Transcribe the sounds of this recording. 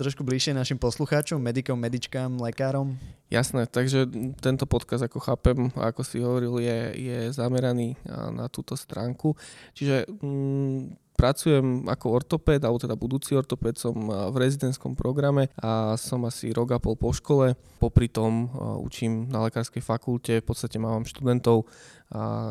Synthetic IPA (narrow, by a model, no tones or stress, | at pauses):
t̪ɾɔʃkubliʃɪɛnaʃimpɔsluxaːt͡ʃɔmːɛd̪ikɔmːɛd̪it͡ʃkaːmlɛkaːɾɔmja̰snɛt̪aɡʒɛt̪ɛnt̪ɔpɔt̪kazd̪akɔxaːpɛm̰a̰kɔsiɦɔʋɔɾiljɛjɛzamɛɾaniːna̰t̪uːt̪ɔst̪ɾaːŋkut͡ʃiʒɛ | pɾat͡sujɛma̰kɔɔɾt̪ɔpɛːd̪alɛbɔt̪ɛd̪abud̪uːt͡siɔɾt̪ɔpɛt̪sɔmvɾɛzid̪ɛnt̪skɔmpɾʔɔɡɾamɛasɔmasḭɾɔɡapɔlˠpɔʃkɔlɛ | pɔpɾit̪ɔmṵt͡ʃimnalɛkaːɾskɛjfakulcɛfpɔt͡st̪acɛmaːʋaːmʃt̪ud̪ɛnt̪ɔʊ | a̰